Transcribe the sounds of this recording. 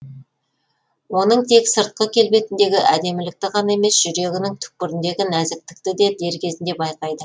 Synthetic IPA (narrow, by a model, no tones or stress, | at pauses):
wo̞nəɴt̪ʰe̞ksəɾt̪̚qəkʲʰe̞lbe̞t̪ɪnd̪e̞ɡʲɪʔæd̪e̞mɪlɪk̚t̪ɪqʰɑnɑe̞me̞sʒ̥ʏɾe̞ɡʲɪnɪŋt̪ʰʏ̥k̚pɪɾɪnd̪e̞ɡʲɪnæzɪk̚t̪ɪ̥k̚t̪ɪd̪e̞d̪e̞ɾkʲʰe̞zɪnd̪e̞bɑjqɑjd̪ə